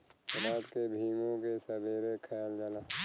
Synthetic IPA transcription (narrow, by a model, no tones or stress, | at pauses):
ɪɾaːt̪kebʱiːmõkesəbeːɾekʰəjaːld͡ʒalaː